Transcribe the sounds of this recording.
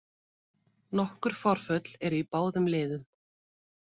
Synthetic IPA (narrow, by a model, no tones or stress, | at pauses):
nɔhkʏɾ̥fɔɾ̥fœt̪lɛɾipaːwðʏmlɪːðʏn